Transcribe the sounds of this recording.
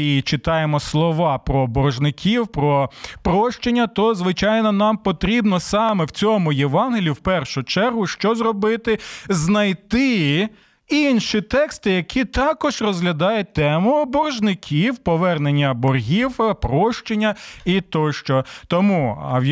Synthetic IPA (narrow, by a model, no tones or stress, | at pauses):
it͡ʃɪt̪ɑjemɔslˠɔʋɑpɾɔːbɔrʒnɪkʲiwpɾɔpɾɔʃt͡ʃenʲːɐt̪ɔzʋɪt͡ʃɑjnɔnɑmpɔt̪ɾʲibnɔsɑmɛwt͡sʲɔmʊjeʋɑnɦelʲiwpɛrʃʊt͡ʃɛrɦʊʃt͡ʃɔzɾɔbɪt̪ɪznɐjt̪ɪ | inʃit̪ɛkst̪ɪjɐkʲit̪ɑkɔʒrɔzɦlʲɐd̪ɑjʊt̚ʲt̪ɛmʊɔbɔrʒnɪkʲʰiwpɔʋɛrnenʲːɐbɔrɦʲiwpɾɔʃt͡ʃenʲːɐit̪ɔʃt͡ʃɔt̪ɔmuɐ̰wj